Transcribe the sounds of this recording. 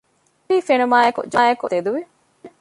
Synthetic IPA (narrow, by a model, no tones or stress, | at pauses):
iːfenɐmaːjɐkṵd͡ʒaːjɐkut̪ed̪uʋi